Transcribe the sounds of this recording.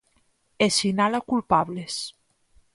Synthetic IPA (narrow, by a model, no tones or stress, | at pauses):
esinalakulpaβles